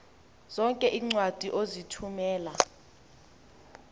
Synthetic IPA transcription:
z̥ɔŋkʼɛʔiːŋ͡ǀwad̥ʱiʔozitʰumɛːla

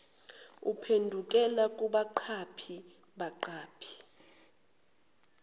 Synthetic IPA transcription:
upʰendʱukʼɛlakʼuɓaǃʰapʰi | ɓaǃaːpʰi̥

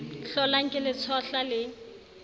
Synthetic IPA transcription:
ɬɔlaŋ̩kʼɪlɪt͡sʰɔɬalɪ

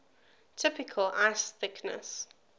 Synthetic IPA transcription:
tʰɪpɪkʰəlaɪsθɪknə̰s

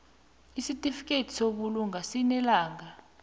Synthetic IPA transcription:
isitʼifikʼetʰi̥soɓuluŋasinɛlaːŋa

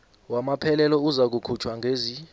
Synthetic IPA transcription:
wamapʰɛlɛlɔuzak̬ukʰut͡ʃʰwaŋɡʱeːzi

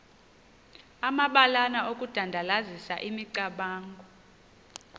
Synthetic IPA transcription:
amaɓalanaʔokʼud̥ʱandʱalazisaʔimiǀaɓaːŋɡʱɔ

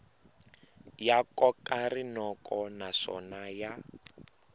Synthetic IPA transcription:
jakɔkarinɔkɔnaʂɔ̰naja

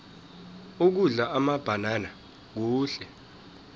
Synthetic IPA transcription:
uk̬uɮaamab̥ʱanana | k̬uːɬɛ

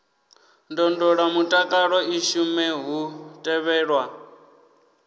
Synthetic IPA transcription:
ndɔndɔɺamutʼakʼaɺɔiʃumɛɦutʼɛβɛːɺwa

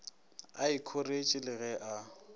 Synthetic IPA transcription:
aikʰoret͡ʃʼɪlɪɣɛʔa

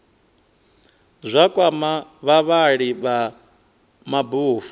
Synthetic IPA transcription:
zʷakʼwamaβaβaɺiβa | mabuːfu

